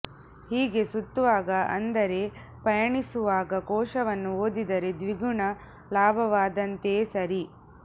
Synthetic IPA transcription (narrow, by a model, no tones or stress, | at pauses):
hiːɡe̞sut̪ːuʋaːɡɐʔɐ̰nd̪ɐɾe̞ | pɐjɐɳisuʋaːɡɐkɔːʃɐʋɐnːuoːd̪id̪ɐɾe̞d̪ʋiɡuɳɐ | laːbʱɐʋaːd̪ɐnt̪e̞ːsɐɾi